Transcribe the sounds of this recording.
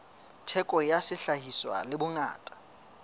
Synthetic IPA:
tʰɛkʼɔjasɪɬahiswa̰lɪbʊŋa̰ːtʼḁ

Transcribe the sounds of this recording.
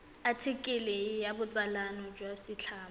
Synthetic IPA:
atʰɪkʼɪlɪjabʊt͡sʼalanɔd͡ʒwasɪt͡ɬʰaːm

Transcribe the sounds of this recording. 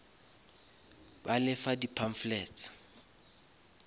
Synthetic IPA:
balɪfadipʰaɱ̩flɛːt͡sḁ

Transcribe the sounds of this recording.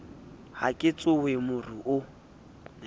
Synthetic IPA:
ha̰kʼɪt͡sʼʊwemʊriʔʊ

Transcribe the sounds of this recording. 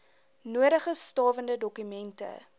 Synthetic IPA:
nuəɾəχəstɑːvəndədɔkymɛntə̰

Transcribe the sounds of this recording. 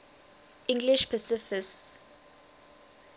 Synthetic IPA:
ʔɪ̃ŋɡlɪʃpʰasɪfɪsts

